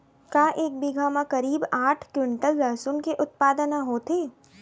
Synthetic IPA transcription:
kaːʔeːk̚biɡʱaːmãkɐɾiːbaːʈʰkjʊɳʈəlːɐsʊnkeʔʊt̪̚paːd̪ənaɦoːt̪eː

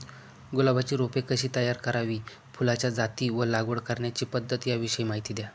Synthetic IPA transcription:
ɡolabat͡ɕiːɾopekəɕiːt̪əjaɾkəɾaʋiː | fʰulat͡ɕjad͡zat̪iːʋəlaɡʋəɽkəɾɳjat͡ɕiːpəd̪ʱːət̪jaʋiɕəiːmaɦit̪iːd̪ja

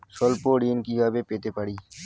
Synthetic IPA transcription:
solpoːɖiːnkiaːbeːpeːt̪eːpəɽiː

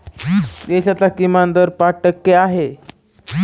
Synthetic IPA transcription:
d̪eɕat͡sakimand̪əɾpaʈəkːeaɦe

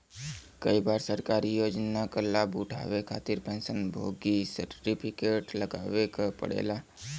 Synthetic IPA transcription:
kəibaːɾsəɾkaːɾijoːd͡ʒnakəɾlabuʈʰa̰ːʋekʰaːt̪ɪɾpɛ̃ːnsənbʱoːɡisəɾʈipʰɪkeːʈləɡaːʋekapə̰ɽḛːlaː

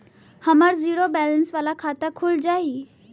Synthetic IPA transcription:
həməɾziːɽobɛːlənsʋaːlakʰaːt̪əkʰʊld͡ʒaːi

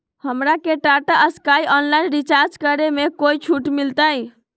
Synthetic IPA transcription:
həmɾakeʈaʈaʔəskajʔɔnlainɾit͡ʃaɾd͡ʒkəɾemekoit͡ʃʰuʈmilt̪aj

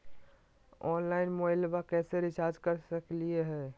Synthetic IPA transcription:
ɔːnlaɪnmoilbakɛːseɾɪt͡ʃaɾd͡ʒkəɾsəklieɦɛː

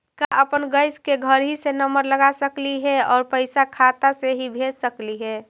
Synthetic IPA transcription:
kaʔəpənɡəɪskeɡʱəɾɦisenəməɾləɡasəkliɦɛɔːɾpəɪsakʰat̪aseɦibʱed͡ʒsəkliɦɛː

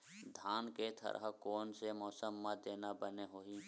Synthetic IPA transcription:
d̪ʱaːnket̪ʰə̰ɾʔɦkoːnsemɔːsəmːad̪eːnabəneɦoːiː

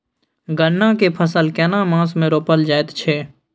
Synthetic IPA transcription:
ɡəɳːãkepʰəsəlkɛːnamãːsmẽɾoːpəld͡ʒaːet̪t͡ʃʰeː

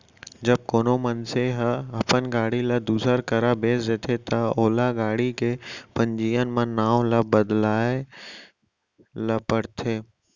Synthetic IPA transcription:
d͡ʒɐb̚koːnomənseɦəɐpənɡaːɽilad̪uːsəɾkɐɾabeːsd͡ʒeːt̪ʰet̪ɐoːlaɡaːɽikepɐ̃ɲd͡ʑiːənɪ̆mãnaːʋlabəd̪laːe | lɐpəɽt̪ʰeː

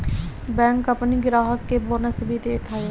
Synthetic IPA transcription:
bɛ̃ːŋkəpniɡɪɾaːɦəkːeːbonəsəbiːt̪eːt̪ʰae

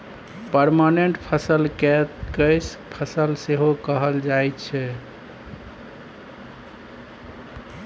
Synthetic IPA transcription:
pəɾmaneɳʈpʰəsəlkɛt̪kəjspʰəsəlseɦokəɦəld͡ʒajtt͡ʃʰɛ

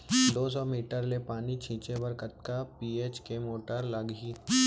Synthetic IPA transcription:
d̪oːs̬ɔmiːʈəɾlepaːnit͡ʃʰĩːt͡ʃebəɾkət̪̚kapiːeːt͡ʃkemoːʈəɾlɐɡiː

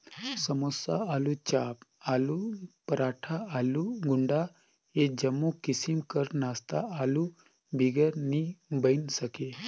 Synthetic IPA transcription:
səmosa̰alut͡ʃaːpalupəɾaːʈʰaːluɡuɳɖa | ed͡ʒəmːukisimkəɾnast̪a̰ʔalu | bʱiɡəɾnibəjnsəke

